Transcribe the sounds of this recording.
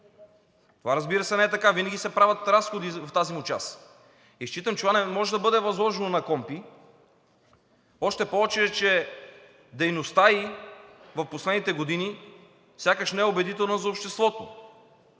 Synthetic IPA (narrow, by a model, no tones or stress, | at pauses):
t̪ovaɾɐzbiɾəsɛnɛɛt̪ɐkavinɐɡʲisɛpɾavɐt̪ɾasxod̪ift̪azimut͡ʃa̰s | iʃt͡ʃit̪əmt͡ʃɛt̪ovanɛmɔʒɛd̪ɐbɤd̪ɛvɐzlˠɔʒɛnonɐkɔmpi | ɔʃt̪ɛpoɔt͡ʃɛt͡ʃɛ | d̪ɛjnost̪ai | vɐfposlɛd̪nit̪ɛɡod̪ini | fsʲjakəʃnɛɛobɛd̪it̪ɛlˠnəzɐopʃt̪ɛst̪vɔt̪o